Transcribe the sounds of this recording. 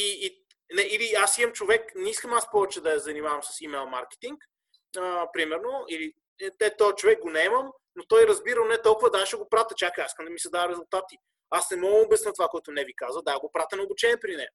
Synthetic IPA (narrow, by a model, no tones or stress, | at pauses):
iː | nɛʔiliasimɐmt͡ʃovɛknɛiskəmaspɔvɛt͡ʃɛd̪ɐjɛzɐnimavɐmsɐ̥simɛlˠmaɾkɛ̥t̪iŋk | əpɾimɛɾnoili | ɛt̪ɛt̪ɔt͡ʃovɛk̚ɡonɛɛməm | not̪ɔjɾɐzbiɾənɛt̪ɔlˠkʊvɐd̪aʃɛɡopɾat̪ət͡ʃʲakəaiskəmd̪ɐmisɐd̪aəɾɛzʊlˠt̪at̪i | asnɛmɔɡəmobɛsnɤt̪ovakoɛt̪ʊnɛvikazvəd̪aɡopɾat̪ənɛobut͡ʃɛniɛpɾinɛ